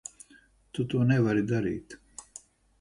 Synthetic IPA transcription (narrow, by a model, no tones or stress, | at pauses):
t̪ut̪uɔnɛvaɾid̪aɾḭːt̪